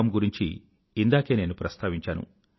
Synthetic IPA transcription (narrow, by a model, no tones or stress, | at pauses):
ɐmɡuɾiɲt͡ʃḭ | ind̪aːke̞ːne̞ːnupɾɐst̪ʰaːʋiɲt͡ʃaːnṵ